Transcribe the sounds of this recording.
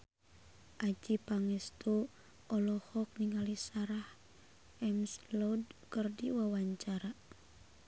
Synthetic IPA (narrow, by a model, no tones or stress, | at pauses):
ʔad͡ʒipaŋɛst̪o | ʔɔlɔhɔk̚niŋalisaɾah | ɛmslɔdkərdiwawaɲt͡ʃaɾa